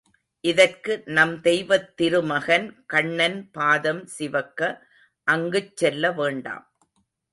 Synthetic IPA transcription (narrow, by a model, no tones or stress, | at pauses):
ʔɪðɐrkɯnɐmd̪ɛjʋɐt̪ːɪɾɯmɐɣɐnkɐɳːɐnpaːðɐmsɪʋɐkːɐ | ʔɐŋɡɯt͡ʃsɛlːɐʋeːɳɖa̰ːm